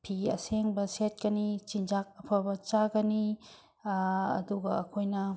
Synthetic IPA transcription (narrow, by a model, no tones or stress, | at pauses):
pʰiɐ̰seŋbɐset̚kɐnit͡ʃind͡ʒak̚ɐpʰabɐt͡ʃaɡɐni | ɐ̰duɡɐɐkʰojnɐ